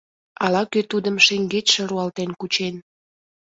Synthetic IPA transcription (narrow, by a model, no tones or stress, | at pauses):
ɑlɑkøt̪ud̪əmʃeŋɡetʃə̆ɾuɑlt̪enkut͡ɕen